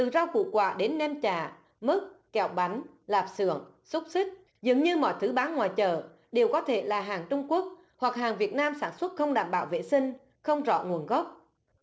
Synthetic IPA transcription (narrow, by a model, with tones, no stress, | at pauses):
t̪ɨ̰˨˩za˧wkṵ˧˨kwaː˧˩ɗe˨˦nːɛ˧mt͡ɕaː˧˩ | mə˦˥t̚kɛ˧˩wɓa˨˦jŋ̟ | laː˨˩p̚sɨ̰˧˩˨əŋ | sʊ˦˥k͡p̚sï˦˥k̟̚ | zɨ̰˨˧˩ŋɲɨ˧mɔ̰˧˨jt̪ʰɨ˨˦ɓaː˨˦nŋwaː˨˩jt͡ɕəː˨˩ | ɗe˨˩əwkɔ˨˦t̪ʰe˧˩laː˨˩ɦaː˨˩ŋt͡ɕʊ˧ŋ͡mku˦˥ək̚ | hwa˨˩k̚haː˨˩ŋvi˨˩ət̚naː˧msaː˧˩nswə˦˥t̚xə˧wŋ͡mɗaː˧˩˨mɓa̰ː˧˨wvḛ˧˨sï˧ŋ̟ | xə˧wŋ͡mzɔ̰˧˨ŋu˨˩ənɣɔ˦˥p̚